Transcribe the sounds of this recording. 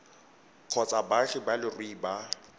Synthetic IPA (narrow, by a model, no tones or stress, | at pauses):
q͡χʰɔt͡sʼabaɬɪbalɪrwiːba